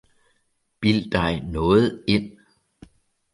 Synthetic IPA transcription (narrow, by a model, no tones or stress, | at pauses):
b̥il̰d̥ɑ̈ɪnɔ̽ːð̩ˠe̝n̰